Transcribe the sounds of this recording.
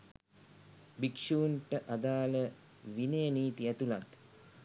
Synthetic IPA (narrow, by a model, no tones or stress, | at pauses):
bikʂuːɳʈəʔad̪aːlə | ʋinejəniːt̪iæt̪ulat̪